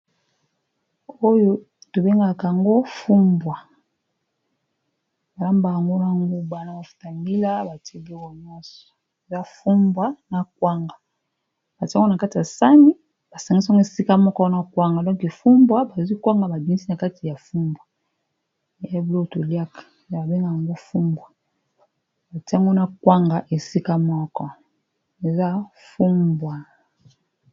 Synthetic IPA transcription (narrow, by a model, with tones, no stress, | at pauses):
o˦jo˦ | to˨be˦ŋɡa˨ka˨a˨ŋɡo˦fu˦mbwa˨ | ba˨la˦mba˨ja˨ŋɡo˦na˨ŋɡu˦ba˨na˨ba˨fu̥˨ta˨mi˦la˦ba˨ti˦e˦bwɔ˨ɲɔ̃˦sɔɔ̥˨ | e˨za˦fu˦mbwa˦na˨k̚wa˦ŋɡa˨ | b̥a˨ti˦a˦o˦na˨ka˦ti˨a˨sa˦ni˦ | b̥a˨sa˨ŋɡi˦sŋɡo˦e˨si˦ka˦mɔ˦kɔ˦na˦kwa˦ŋɡa˨dɔ̃˦ke˨fu˦mbwa˦ba˨zi˦kwa˦ŋɡa˨ba˨bi˨ŋi˦si˦na˨ka˦ti˨ja˨fu˦mbwa˨˦ | blo˦˨to˨li˦a˦kḁ˨a˦ba˨be˦ŋɡa˨ja˨ŋɡo˦fu˦mbwa˨ | ba˨ti˦a˦ŋɡo˦na˦kwa˦ŋɡa˨ʔe˨si˦ka˦mɔ˦kɔ˦ | e˨za˦ | fu˦mbwa˨